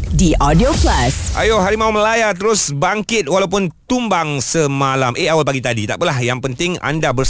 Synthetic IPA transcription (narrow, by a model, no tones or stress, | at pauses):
diʔɔdioplasʔa̰joɦaɾimauməlajat̪əɾʊsbaŋkɪt̪̚walawp̬ʊnt̪umbaŋsəmalamʔeawalpaɡit̪adit̪a̰ʔpəlahjaŋpənt̪ɪŋa̰ndabər